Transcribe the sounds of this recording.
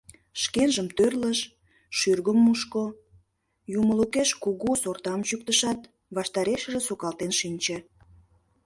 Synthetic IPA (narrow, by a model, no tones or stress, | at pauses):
ʃkenʒəmt̪ørləʃ | ʃyrɣəmːuʃko | juməlukeʃkuɣusort̪ɑmt͡ɕuk̚t̪əʃɑt̪ | βɑʃt̪ɑɾeʃə̆ʒĕsokɑlt̪enʃinʲt͡ɕe